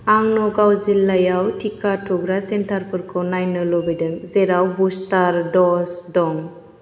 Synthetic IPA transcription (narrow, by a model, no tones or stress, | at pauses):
aŋnɔɡawzilːajawtʰikaʈʰɔɡɾasɛntʰaɾpɯɾkʰɔnajnɔlɔbidəŋzɛɾawbustaɾdɔsdɔŋ